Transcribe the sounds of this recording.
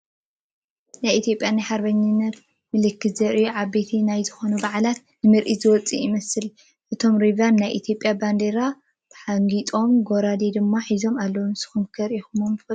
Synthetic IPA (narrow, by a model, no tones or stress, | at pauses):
najit̪ʰijo̞pʼjanajħaɾbɐɲːɪnːɐt̪ | mɨlɨkːɨt̪zɐɾʔiuʕaβbe̞t̪ʰinajzɨxo̞nubaʕlat̪ | nɨmɨɾʔizɨwɔt͡sʼiimɐsɨl | ʔɨt̪ʰo̞mɾivanːajʔit̪ʰjo̞pʼːjaband̪eɾa | b̥ħaŋɡit̪ʼo̞mɡoɾad̪ed̪ɨmːaħizo̞malːɐwomsɨ̥xɨmkʰɐɾixumomfɐ